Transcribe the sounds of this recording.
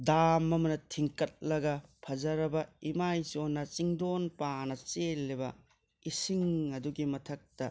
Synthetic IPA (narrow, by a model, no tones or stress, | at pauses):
damɐmɐnɐtʰiŋkɐt̚lɐɡɐpʰɐzɐɾɐbɐimajsionːɐt͡ʃiŋdonpanɐt͡ʃelːibɐ | isiŋɐduɡimɐtʰɐk̚tɐ